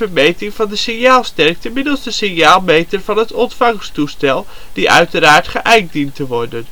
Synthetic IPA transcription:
əɹmejtɪŋvɑndəsɪnjaːlˠstɛɹk̚təmɪdəlˠsdəsɪnjaːlˠmejtəɹv̥ɑnɦətɔntfɑŋstustɛlˠd̥iʔœ̰ɥtəɾaːɹtχəʔɛjk̚dintəʋɔɹdən

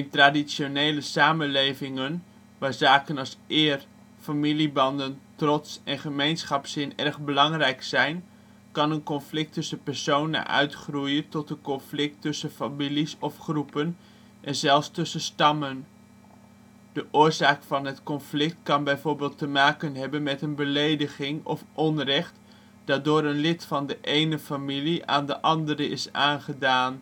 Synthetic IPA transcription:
ɪntradisonejləsaːmənlejvɪŋən | ʋaːɹzaːkənɑlˠsɪːr | familibɑndəntrɔtsɛnχəmejnsχɑpsɪnɛrχbəlɑŋrɛjksɛjn | kɑnənkɔnflɪk̚tɵsəpɛɹsownə̰nʔœ̰ɥtχrujətɔtənkɔnflɪk̚tɵsəfamilisɔfχrupən | ʔɛnzɛlˠfstɵsəstɑmən | d̥əʔʊːɹzaːkfɑnɦətkɔnflɪk̚tkɑnbɛjvoːɹbɪːlˠtəmaːkənɦɛbənmɛtənbəlejdəχɪŋɔ̰fʔɔnrɛχt | d̥aːdʊːɾənlɪtfɑndəʔejnəfamiliʔa̰ːndəʔɑndəɾəɪsaːnχədaːn

